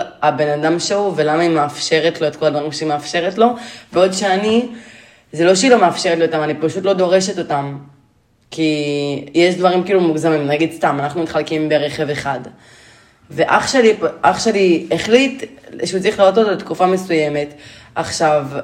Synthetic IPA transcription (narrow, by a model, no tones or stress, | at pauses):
abe̞nadamʃeuve̞lamaimeafʃe̞ʁetlo̞et̪ko̞lad̪vaʁimʃeimeafʃe̞ʁetlo̞veo̞dʃeani | zelo̞ʃeilomeafʃe̞ʁetlio̞t̪amanipaʃut̪lo̞d̪o̞ʁe̞ʃet̪o̞tam | kijeʃdvaʁimkiːlumuɡzamimnaɡid̪st̪amanaχnumitχalkimbeʁeχeve̞χad | veʔaχʃelipʔaχʃealieχlit̪ʃeut͡sʁiχlaʁototolet̪kufamesuje̞me̞taχʃav